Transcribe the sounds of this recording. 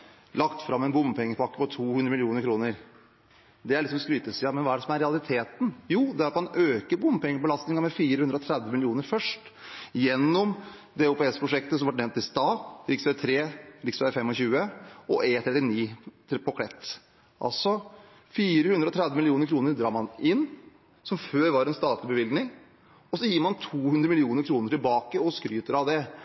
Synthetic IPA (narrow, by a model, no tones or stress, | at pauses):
lɑkt̪fɾɑmːɛnbʊmpʰɛŋːəpɔɑkːəpɔt̪ʰːuːhʉnd̪ɾəmɪlɪjuːnəɾkʰɾuːnəɾ | d̪ɛæɭlɪksɔmskɾyːt̪əsiːɑmɛnʋɑæɖɛsɔmæɾɛɑlˠɪt̪ʰeːt̪n̩juːd̪ɛæɾɑt̪mɑnøːkəɾbʊmːpʰɛŋːəɾbəlɑst̪ɪŋɑɾmɛfiːɾəhʉnd̪ɾəɔt̪ʰɾæd̪ʋəmɪlɪuːnəɾfœʂʈ | jɛnːɔm | d̪ɛɾʊpʰeːɪskəpʰɾʊʂɛkt̪əsɔmʋɑʈ̚nɛnt̪ːɪst̪ɑːɾɪksʋɛt̪ʰɾeːɾɪksfæfɛmːɔɕçʉːəɔʔɛt̪ʰɾɛt̪ːɪniː | pʰɔkʰɽɛt̪ː | ʔɑ̰lsɔ | fiːɾəhʉnd̪ɾəɔt̪ʰɾæd̪ʋəmɪlɪuːnəɾkʰɾuːnəɾd̪ɾɑːmɑnɪnː | sɔmføːɾʋɑɾɛnst̪ɑːt̪ʰlɪbəʋɪld̪nɪŋ | ɔsɔjiːɾmɑnt̪ʰuːhʉnd̪ɾəmɪlɪuːnəɾkʰɾuːnəʈɪlbɑːkəɔskɾyːt̪əɾɑʋd̪ɛ